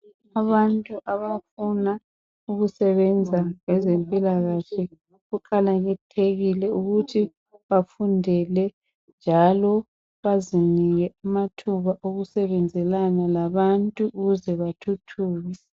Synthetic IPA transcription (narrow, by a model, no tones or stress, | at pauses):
aβantʼuʔaβafuna | uɣusɛβɛnd͡zʱaŋɛzempʼilaɣaɬɛ | ɣuǃalaɣɛtʰeɣilɛuɣutʰi | βafundʱɛlɛ | nd͡ʒʱalɔ | βaziniɣɛamatʰuβaʔoɣusɛβɛnd͡zʱɛlanalaβantʼuʔːɣuzɛβatʰutʰuːɣɛ